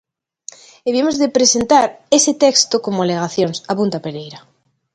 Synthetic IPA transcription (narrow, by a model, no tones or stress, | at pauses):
eβiemozðepɾesent̪aɾeset̪ekst̪okomoaleɣ̞aθjonsapunt̪apeɾejɾa